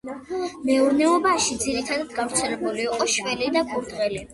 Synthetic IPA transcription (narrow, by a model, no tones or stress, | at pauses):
mɛuɾnɛɔbaʃid̪ziɾit̪ʰad̪ad̪ɡavɾt̪sʰɛlɛbuliːqʼɔʃvɛlid̪aɡʰʼuɾd̪ʁɛli